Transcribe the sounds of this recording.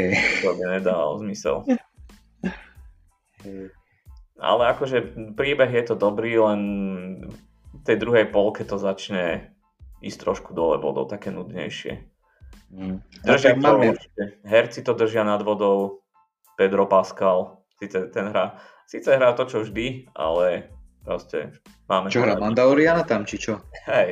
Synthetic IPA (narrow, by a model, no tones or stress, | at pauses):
ɛt̪ɔbiɲɛd̪aːa̰lɔ̰zmisɛ̰l | ɛ | ʔa̰lɛakɔʒɛpɾiːbɛɣjɛt̪ɔd̪ɔbɾiːlɛn | ft̪ɛjd̪ɾuɦɛjpɔlkɛt̪ɔzat͡ʃɲɛ | ḭːst̪ɾɔʃkud̪ɔlɛ̰ʋɔ̰d̪ɔ̰ʊt̪akɛːnud̪ɲɛ̰jʃɪɛ̰ | d̪r̩ʒat̪ɔuɾt͡ʃi̥ɛɦɛɾt͡sit̪ɔd̪ər̩ʒɪanad̪ʋɔd̪ɔʊ | pɛd̪ɾɔpaskal | siːt͡sɛt̪ɛnɦɾa | siːt͡sɛɦɾaːt̪ɔt͡ʃɔvʒd̪iʔa̰lɛ | pɾɔscɛ̰ | maːmɛt͡ʃɔɦɾamand̪aɔɾianat̪amt͡ʃit͡ʃɔɦɛj